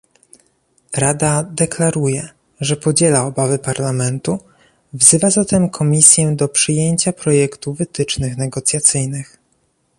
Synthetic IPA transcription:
ɾad̪ad̪ɛklaɾujɛ | ʐɛpɔd͡ʑɛlaɔbavɘpaɾlamɛnt̪u | vzɘvazat̪ɛmkʰɔmʲisʲjɛd̪ɔpʂɘjeɲt͡ɕapɾɔjɛkt̪uvɘt̪ɘt͡ʂnɘxnɛɡɔt̪sʲjat̪sɘjnɘx

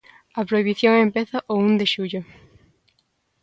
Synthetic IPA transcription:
ɐpɾoiβiθjoŋempeθɐʔound̪eʃuʎo

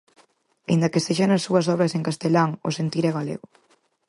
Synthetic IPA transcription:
ind̪ɐkeseʃanɐsːuɐsɔβ̞ɾɐseŋkast̪elaŋo̰sent̪iɾɛɣalḛɣʊ

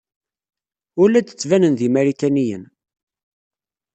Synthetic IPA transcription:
ʊɾlæd̪ə̥t͡sːvænənðimæɾikænijə̰n

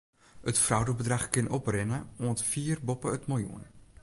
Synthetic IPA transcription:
ətfrawdəbədraχkɪnʔɔprɪnəuəntfiːrbɔpəətmojṵən

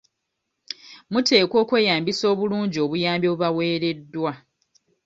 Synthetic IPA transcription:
mutʰe̞ːkwo̞ːkwe̞ːjaːmbiso̞ːβuluːɲɟio̞βujaːmbjoβuβawe̞ːɾe̞dːwa

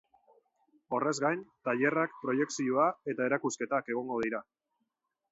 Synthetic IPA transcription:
o̞re̞zɡajnt̪aʎe̞rak̚pɾo̞je̞ksioae̞t̪ae̞ɾakuske̞t̪ake̞ɣ̞o̞ŋɡo̞ð̞iɾa

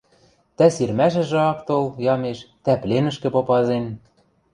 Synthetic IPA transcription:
t̪æsirmæʃ̬ɘ̆ʒɘ̆ɑkt̪oljɑmeʃt̪æplenɘ̆ʃkɘ̆popɑzen

